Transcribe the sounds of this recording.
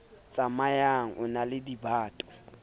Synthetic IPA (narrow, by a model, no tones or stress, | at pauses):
t͡sʼamajaŋ̩ʔʊnalɪdibaːtʼɔ̥